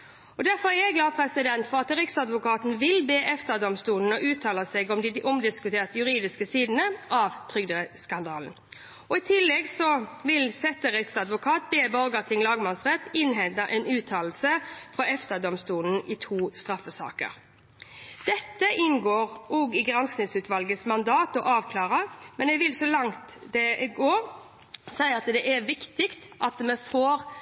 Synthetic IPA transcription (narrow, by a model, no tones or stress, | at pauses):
ɔd̪æɾfɔʁæʁɛɡlɑːpʰɾɛsɪd̪ɛnt̪fɔʁɑt̪ɾɪksɑd̪ʋʊkʰɑːt̪n̩ʋɪlbeːʔɛft̪əd̪ɔmst̪uːln̩ɔʔʉːt̪ʰɑːlɑsɛɡɔmd̪ɪʔɔmd̪ɪskʉt̪ʰeːʁt̪əjʉʁiːd̪ɪskəsiːd̪n̩əʔɑʋt̪ʰʁʏɡd̪əəskɑnd̪ɑːln̩ | ɔɪt̪ʰɪlːɛɡsɔʋɪlsɛt̪ːəɾɪksɑd̪ʋʊkʰɑːt̪̚beːbɔɾɡət̪ʰɪŋlɑːɡmɑnsʁɛt̪ːɪnɦɛnd̪ɑʔɛnʉːt̪ʰɑːl̩səfʁɔɛft̪əd̪ɔmst̪uːln̩ɪt̪ʰuːst̪ʁɑfːəsɑ̰ːkə̰ɾ | d̪̥ɛt̪ːəʔɪnɡoːʁʔɔɡɪɡɾɑnsknɪŋsʉːt̪ʰʋɑlɡəsmɑnd̪ɑːt̪ɔʔɑːʋkʰlɑːʁəmɛnɛɡʋɪlsɔlɑŋt̪d̪ɛɡoːɾ | sæɪɑt̪d̪ɛʔæʋɪkt̪ɪkt̪ʔɑt̪mɛfoːʁ